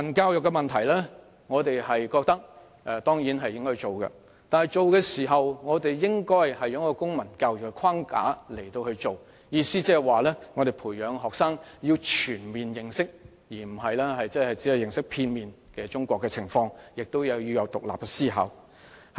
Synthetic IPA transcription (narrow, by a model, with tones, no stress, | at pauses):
ɐ˨˩nkaː˧wjʊ˨kːɛ˧mɐ˨nt̪ʰɐ˨˩jlɛː˥ | ŋɔː˨˧t̪e˨jhɐ˨jkɔː˧k̚t̪ɐ˥k̚ | ʔɛ˨˧t̪ɔː˥ŋjiː˨˥nɦɐ˨jːɪ˥ŋkɔː˥jt͡ʃo˨wkɛ̰˧ | t̪aː˨nhɐ˨jt͡ʃo˨wkɛː˧siː˨˩ɦɐ˨wŋɔː˨˧t̪e˨jjɪ˥ŋkɔː˥jhɐ˨jːɐː˨˥ŋkɔː˧kʊ˥ŋmɐ˨˩nkaː˧wjʊ˨kːɛ˧kʰaː˥ŋka̰ː˨˥le˨˩jt̪o˧whɵ˧ɥt͡ʃo˨w | jiː˧siː˥t͡sɛː˥waː˨lɛː˥ŋɔː˨˧ɾe˨˩jpʰuː˨˩jjœː˨˧ŋɦɔː˨k̚saː˥ŋjiː˧wt͡ʃʰyː˨˩nmiː˨njɪ˨ŋsɪ˥k̚ | jiː˨˩m̩˨˩ɦɐ˨jlɛː˥hɐ˨jt͡sɛː˥hɐ˨jt͡siː˨˥jɐ˨˧wjɪ˨ŋsɪ˥k̚pʰiː˧nmiː˨n | kɛː˧t͡ʃʊ˥ŋkʷɔː˧kːɛ˧t͡sʰɪ˨˩ŋfɔː˧ŋjɪ˨k̚t̪o˥wjɐ˨˧wji˧wjɐ˨˧wt̪ʊ˨k̚laː˨p̚kɛ˧siː˥ɦa̰˨w